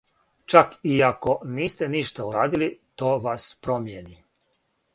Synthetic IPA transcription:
t͡ʃakiako̞niːst̪eniʃt̪auɾaːd̪ilit̪o̞ːʋaspɾomjeni

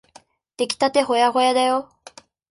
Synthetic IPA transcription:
t̪e̞kʲi̥t̪at̪e̞ɦo̞jaɦo̞jad̪ajo

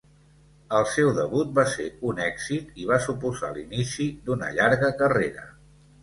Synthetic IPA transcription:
əlˠsɛwðəβut̪̚baseunɛɡz̥it̪iβ̞asupuza̰linisid̪unə̰ʎaɾɣəkəreɾə

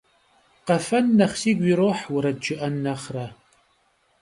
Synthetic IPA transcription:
qɐfɐnːɐχsiːɡʷiːɾoːħwʊɾɐdd͡ʒɪʔɐnːɐχrɐ

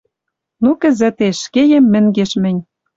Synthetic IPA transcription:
nukɘ̆zɘ̆t̪eʃkejĕmːɘ̆ŋɡeʃmɘ̆nʲ

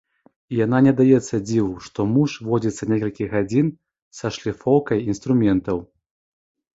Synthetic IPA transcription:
ijananʲɛd̪ajɛt̪sːɐd͡zʲiwuʂt̪ɔmuʂvɔd͡zʲit̪sːɐnʲekɐlʲkʲiɣɣad͡zʲin | sɐʂlʲifɔwkɐjinst̪ɾumʲɛnt̪ɐw

